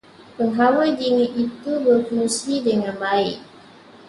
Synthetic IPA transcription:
pəɦawəd͡ʒiŋɪt̪it̪ubərkusidəŋanbaɪʔ̚

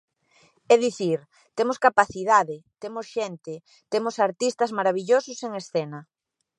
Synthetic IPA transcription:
ɛðiθiɾ | t̪emoskapaθiðaðɪt̪emosʃɛnt̪ɪ | t̪emʊsaɾt̪ist̪ɐzmaɾaβiʎosʊseŋesθɛnɐ

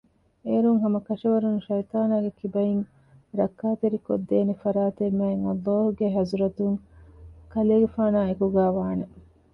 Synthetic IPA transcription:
eːɾuŋɦɐmɐkɐʂɐʋɐɾunʃɐjt̪aːnaːɡekibɐiŋ | ɾɐkːaːt̪eɾiko̰d̪ːeːnefɐɾaːt̪emːæːeŋɐlːoːɦuɡeɦɐzuɾɐt̪uŋ | kɐleːɡefaːnaːekuɡæːʋaːnɐ

